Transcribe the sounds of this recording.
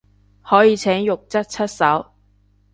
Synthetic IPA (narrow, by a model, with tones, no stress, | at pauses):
hɔː˨˥jiː˨˧t͡sʰɛː˨˥ŋjʊ˨k̚t͡sɐ˥t̚t͡sʰɐ˥t̚sɐ˨˥w